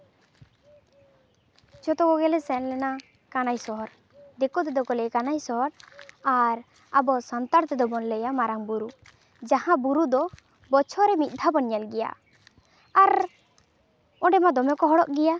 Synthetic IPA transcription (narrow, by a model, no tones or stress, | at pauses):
t͡ʃɔt̪ɔɡɔɡɛlɛsɛnlɛna | kanajsɔɦɔɾ | d̪ɛkɔt̪ɛd̪ɔkɔlɛjkanajsɔɦɔɾaɾ | abɔsant̪aɾt̪ɛd̪ɔbɔnlɛjamaɾaŋbuɾu | d͡ʒahãbuɾud̪ɔ | bɔt͡ʃʰɔɾɛmit̪̚d̪ʱabɔnjalɡɛja̰ | aɾ | ɔ̃ɖɛmad̪ɔmɛkɔɦɔɽɔʔɡɛja